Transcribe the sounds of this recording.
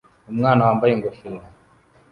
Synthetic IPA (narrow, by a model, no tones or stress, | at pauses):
umŋanawambaiŋɡɔfina